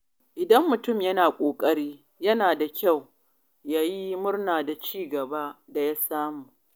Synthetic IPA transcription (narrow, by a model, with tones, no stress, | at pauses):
ʔɪ˨dɐ˦mːʊ˨tʊ˦˨mjɐ˦naː˨kʷʼoː˨kʼɐ˦ɽiː˦ | jɐ˦naː˨da˨kʲa˦˨w | jaː˦ji˦mʊ˦rnaː˨da˨t͡ʃiː˦ɡɐ˨ba˦da˨ja˦saː˦muː˨ʔ